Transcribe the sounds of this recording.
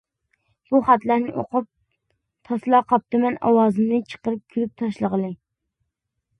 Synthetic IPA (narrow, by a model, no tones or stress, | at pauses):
b̥uχæt̪læɾnɪʔo̰qʰʊp̚ | t̪ʰɑslˠɑqʰɑp̚t̪ɨmɛnɑ̰wɑːzɨmnɨt͡ʃʰə̥qəɾɨp̚kʲʰyɾyp̚t̪ʰɑʃlˠəʁəlˠɨ